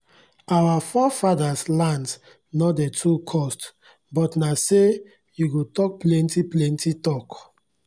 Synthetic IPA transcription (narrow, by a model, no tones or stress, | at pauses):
awafɔfadaslãnds | nɔtdɛtʰɹukʰɔst | bɔtnase | juɡotɔk̚plɛ̃ntiplɛ̃ntitɔk